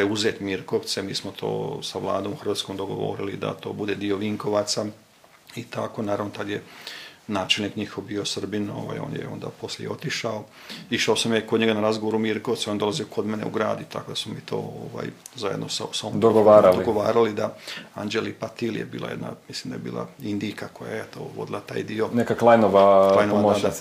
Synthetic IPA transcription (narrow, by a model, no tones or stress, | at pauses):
pɾeuzeːt̪miɾko̞ʋt̪semiːsmot̪ʰo̞̰ːsaʋlˠaːd̪o̞ːmuxərʋaːt̪sko̞md̪o̞ɡo̞̰ʋo̞̰ːɾilid̪a̰t̪o̞ːbud̪e̞d̪io̞ʋiŋko̞ʋat̪sa | it̪ako̞naːɾaʋnot̪ad̪jenaːt͡ʃelnikɲixo̞ʋbio̞sr̩binoːʋa̰jo̞̰ːnjḛo̞̰nd̪a̰po̞sljḛjeo̞t̪iʃao | iʃaosamjakod̪ɲeɡanaɾazɡoʋo̞ɾumiɾkot̪sujo̞nd̪o̞laziokʰo̞d̪menḛṵɡɾa̰ːd̪ut̪a̰ko̞d̪asmumit̪ʰo̞̰ːoʋa̰jzajed̪nosa̰sodd̪oɡoʋaːɾaldoɡoʋaːɾalid̪aand͡ʒelipat̪iljḛbḭːlˠa̰jed̪na̰misliːmd̪ajebḭːlˠa̰ind̪ijkakoja̰jet̪o̰ːʋo̞̰d̪ilˠat̪a̰ːjd̪io̞nekaklˠajnoʋalajnoaod̪